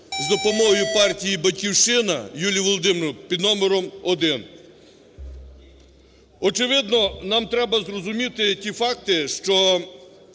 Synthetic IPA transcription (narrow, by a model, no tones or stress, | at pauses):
zd̪ɔpɔmɔɦɔjʊpɑrtʲijibɐtʲkʲiwʃɪnɐjulʲiʋɔlˠd̪ɪmɾʊpʲid̪nɔmeɾɔmɔd̪ɪn | ɔt͡ʃɪʋɪd̪nɔnɑmt̪ɾɛbɐzrɔzʊmʲit̪ɪtʲifɑk̚t̪ɪʃt͡ʃɔ